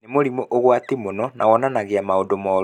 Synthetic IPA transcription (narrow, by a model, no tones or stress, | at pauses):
nemoɾimoʔoɣwatimonɔnawɔnanaɣeamaodomɔɾ